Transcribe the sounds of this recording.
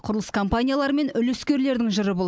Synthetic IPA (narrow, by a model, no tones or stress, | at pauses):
qʰʊɾəlˠəskʰompanʲijalˠɑɾəme̞nʏleskʲe̞ɾle̞ɾd̪ɪŋʒəɾəbolˠ